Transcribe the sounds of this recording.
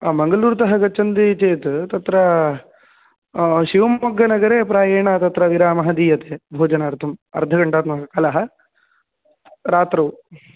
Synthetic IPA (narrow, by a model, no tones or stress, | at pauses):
mɐŋɡɐluːɾt̪ɐɦɐɡɐt͡ʃːɐnd̪iːt͡ʃeːt̪t̪ɐt̪ɾɐ | ʃiʋɐmːɐɡːɐnɐɡɐɾeːpɾaːjeːɳat̪ɐt̪ɾɐʋiɾaːmɐɦɐd̪iːjɐt̪eːbʱoːd͡ʒɐnɐɾt̪ʰɐmɐ̰ɾd̪ʱɐɡɐɳʈaːt̪mɐɦɐkɐlɐɦɐ̆ | ɾaːt̪ɾɐʋ